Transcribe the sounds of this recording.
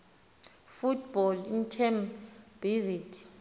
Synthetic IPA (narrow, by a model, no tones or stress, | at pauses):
futʰbɔlintʰɛmbizitʰ